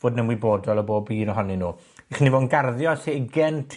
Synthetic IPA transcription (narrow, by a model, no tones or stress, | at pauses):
voːdnɛmwiboːdɔlˠɔboːbiːnɔɦɔninuː | iχnivoːnɡarðjɔseɪɡɛntʰ